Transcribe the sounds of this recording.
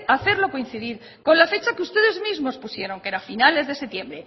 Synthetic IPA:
aθe̞ɾlo̞ko̞in̟θiðiɾ | ko̞nlafe̞t͡ʃakeust̪e̞ðe̞zmizmo̞spusje̞ɾo̞ŋke̞ɾafinale̞zðe̞se̞t̪jembɾe̞

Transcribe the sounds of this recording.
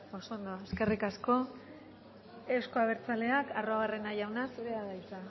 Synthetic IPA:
o̞sond̪oeske̞rikasko̞ | e̞wsko̞aβ̞e̞ɾt͡sale̞akaro̞aɣare̞naʝawnaseɾeaðajt͡sa

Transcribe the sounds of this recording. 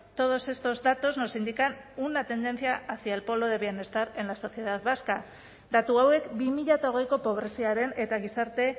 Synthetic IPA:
t̪o̞ð̞o̞se̞st̪o̞zd̪at̪o̞znosind̪ikanunat̪e̞nd̪e̞nθjaaθialpo̞lo̞ðe̞βjene̞st̪aɾe̞nlaso̞θje̞ðaðβaska | d̪at̪uawe̞kbimiʎat̪aoɣ̞e̞jko̞po̞β̞ɾe̞siaɾe̞ne̞t̪aɣ̞isaɾt̪e̞

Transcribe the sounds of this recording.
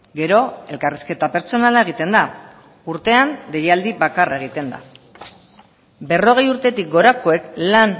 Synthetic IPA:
ɡe̞ɾo̞e̞lkariske̞t̪ape̞ɾt͡so̞nalae̞ɣ̞it̪e̞nd̪a | uɾt̪e̞and̪e̞jald̪ibakaraeɣ̞it̪e̞nd̪a̰ | be̞ro̞ɣ̞e̞juɾt̪e̞t̪ik̚ɡo̞ɾako̞e̞klan

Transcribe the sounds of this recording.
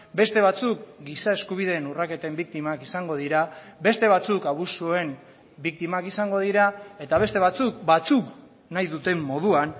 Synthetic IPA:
be̞st̪e̞β̞at͡sukɡisae̞skuβ̞iðe̞ːnurake̞t̪embik̚t̪imakisaŋɡo̞ðiɾabe̞st̪e̞βat͡sukaβusuoe̞m | bik̚t̪imakisaŋɡo̞ð̞iɾae̞t̪aβ̞e̞st̪e̞βat͡suk̚bat͡suk | najðut̪e̞mːo̞ð̞uan

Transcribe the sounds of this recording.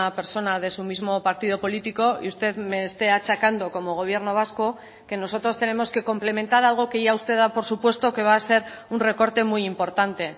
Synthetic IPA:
ape̞ɾso̞nað̞e̞sumizmo̞paɾt̪ið̞o̞po̞lit̪iko̞ḭust̪e̞ðme̞ːst̪e̞at͡ʃakand̪o̞ko̞mo̞ɣ̞o̞β̞je̞ɾno̞β̞asko̞ | ke̞no̞so̞t̪ɾo̞st̪e̞ne̞mo̞ske̞ko̞mple̞me̞nt̪aɾalɣ̞o̞kejʝaust̪e̞ðapo̞ɾsupwe̞st̪o̞ke̞β̞aːse̞ɾ | unre̞ko̞ɾt̪e̞mujimpo̞ɾt̪ant̪e̞

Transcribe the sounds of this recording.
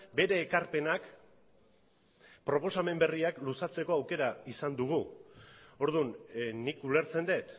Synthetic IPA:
be̞ɾe̞ːkaɾpe̞nak | pɾo̞po̞same̞mbe̞riaklusat͡se̞ko̞awke̞ɾaisand̪uɣ̞u | o̞ɾðunnikule̞ɾt͡se̞nd̪e̞t̪

